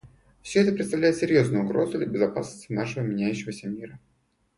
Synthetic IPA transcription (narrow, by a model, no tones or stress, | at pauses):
fsʲoɛt̪əpɾʲɪt̪st̪ɐvlʲæjɪt̪sʲɪɾʲjo̞znʊjʊɡɾo̞zʊd̪lʲəbʲɪzɐpasnə̥sʲt̪ʲɪnaʂəvəmʲɪnʲæjʉɕːɪvəsʲəmʲiɾə